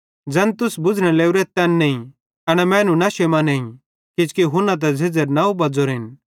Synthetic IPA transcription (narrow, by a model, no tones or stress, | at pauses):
d͡zɐnt̪ʊsbʊd͡zɽ̃ɛ̃leːuɾɛt̪ɛnːɛĩ | ɐɽ̃ɛmɛ̃ːnũnɐʃemanɛĩ | kɪd͡ʒkiɦʊnãt̪̬ɛd͡zʱɪd͡zəɾnaːubɐd͡zoɾɪn